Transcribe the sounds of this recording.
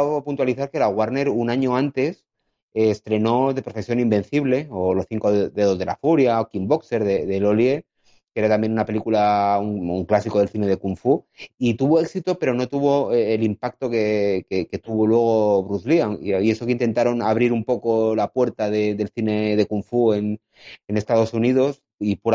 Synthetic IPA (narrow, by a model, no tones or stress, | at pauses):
punt̪waliθaɾke̞laɣwaɾne̞ɾunaɲo̞ãnt̪e̞s | est̪ɾe̞no̞ðe̞pɾo̞fe̞sjo̞nimbẽ̞nθiβle̞olo̞sθiŋkoððeðoðe̞la̰fuɾjaokimbo̞kse̞ɾðeðe̞lo̞lje̞ | ke̞ɾat̪ambje̞nunape̞likulauŋuŋklasiko̞ð̞e̞lθine̞ð̞e̞kuɱfu | it̪uβo̞e̞ksit̪o̞pe̞ɾo̞no̞t̪uβ̞o̞eːlimpak̚t̪o̞kekeke̞t̪uβo̞lwe̞ɣ̞o̞βɾuðlioŋiie̞sokeint̪e̞nt̪aɾo̞naβ̞ɾiɾumpo̞ko̞lapwe̞ɾt̪aðeðe̞lθine̞ð̞e̞kuɱfue̞n | ene̞st̪að̞o̞suniðo̞s | ipuɾ